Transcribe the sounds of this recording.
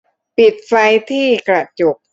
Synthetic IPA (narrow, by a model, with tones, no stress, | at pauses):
pi˨˩t̪̚fa˧jt̪ʰiː˥˩kɾa˧˩t͡ɕo˨˩k̚